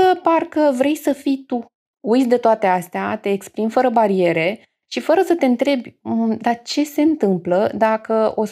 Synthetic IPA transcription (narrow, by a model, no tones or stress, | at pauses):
əparkəvɾe̞jsəfijt̪u | ujt̪sʲd̪e̞t̪oat̪e̞ast̪eat̪e̞ːkspɾimfəɾəbaɾie̞ɾe̞ | ʃifəɾəsət̪e̞ɨnt̪ɾe̞bʲəd̪at͡ʃe̞se̞ɨnt̪ɨmpləd̪akəo̞